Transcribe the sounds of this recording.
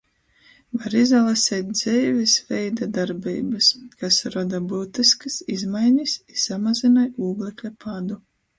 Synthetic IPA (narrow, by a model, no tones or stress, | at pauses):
vaɾizalˠasʲɛːt̪̚d̪z̥ʲɛjvʲisvʲɛjd̪ad̪aɾbḭːbɨskasɾɔd̪abuːt̪iskɨsizmajnʲisʲisamazinajuːɡlʲˠɛklʲapad̪u